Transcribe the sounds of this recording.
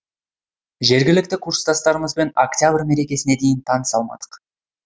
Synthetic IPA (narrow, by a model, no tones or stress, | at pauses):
ʒe̞ɾɡʲɪlɪk̚t̪ɪkʰuɾst̪ɑst̪ɑɾəməzbe̞noktʲjabrme̞ɾe̞kʲe̞sɪne̞d̪e̞jɪnt̪ʰɑnəsɑlˠmɑ̰d̪̥ə̥q